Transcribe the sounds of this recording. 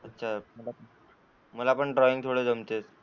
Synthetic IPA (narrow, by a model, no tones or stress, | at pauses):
ətːɕʰaməla | məlapəɳɖɾɔiŋt̪ʰoɽed͡zʱəmt̪et͡s